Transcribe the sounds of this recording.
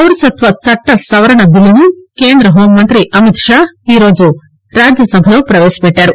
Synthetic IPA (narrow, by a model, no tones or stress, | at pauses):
ɐwɾusɐt̪ʋɐt͡ʃɐʈːɐsɐʋɐɾɐɳɐbilunukeːnd̪ɾɐɦoːmːɐnt̪ɾiʔɐmit̪ʃaːiːɾoːd͡ʒu | ɾaːd͡ʒjɐsɐbʱɐjopɾɐʋeːʃɐ̥peʈːaːɾu